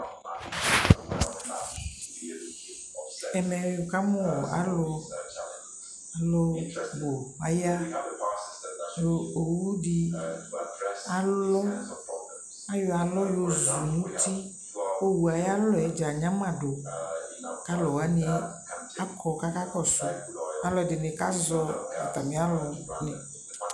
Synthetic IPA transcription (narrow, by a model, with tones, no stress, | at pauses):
ɛ˨mɛ˨jo˨ka˦mɔ̃˦wɔ˨a̰˨˦lɔ˨ | a˨lɔ˦wo˨a˨ja˦ | jo˨o˨wu˦ɖi˨ | a˨lɔ˦ | a˦jɔ˦a˨lɔ˦jo˦zu˨nũ˦t̪i˦ | o˦wu˨a˨ja˦lɔ˦ɛ˨˦d͡ʒa˨ɲã˦mã˨ɖo˨ | ka˦lɔ˨wa˨˦ni˨˦ | a˦kʰɔ˨ka˦ka˦kɔ˨sʊ˦a˨lɔ˨dɪ˨nɪ̃˨ka̰˦zɔ˦ɔ˨t̪a˨mẽ˨˦a˦lɔ˨nɛ˨